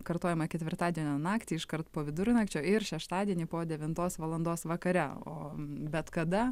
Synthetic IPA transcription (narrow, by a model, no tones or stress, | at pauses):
kɐɾt̪oːjɛmɐkʲɛt̪ʲʋʲɪrɾt̪ɑːd̪ʲiɛnʲoːnɑːkt̪ʲiːɪʃkɐrt̪poːʋʲɪd̪ʊɾʲnɑkt͡ʃʲoːɪɾʃʲɛʃt̪ɑːd̪ʲiɛnʲiːpoːd̪ʲɛʋʲɪnt̪oːsʋɐlˠɐnd̪oːsʋɐkɐɾʲɛo̰ːbʲɛt̪kɐd̪ɐ